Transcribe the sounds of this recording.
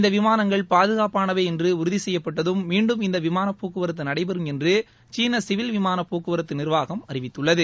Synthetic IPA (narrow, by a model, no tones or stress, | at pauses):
ɪnd̪ɐʋɪmaːnɐŋɡɐɭpaːðɯɣaːpaːnɐʋeːɛndrɯʊɾʊðisɛjːɐpːɐʈːɐðɯmːiːɳɖɯmɪnd̪ɐʋɪmaːnɐpːoːkɯʋɐɾɐt̪ːɯnɐɽɐɪpɛɾɯmɛndrɯ | t͡ʃiːnɐsɪʋɪlʋɪmaːnɐpːoːkɯʋɐɾɐt̪ːɯnɪɾʋaːɣɐmɐrɪʋɪt̪ːɯɭːɐðɯ